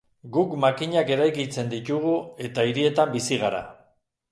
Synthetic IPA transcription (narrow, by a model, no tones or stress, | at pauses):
ɡukmakiɲake̞ɾajkit͡se̞nd̪it̪uɣue̞t̪aiɾie̞t̪ambisiɣ̞aɾa̰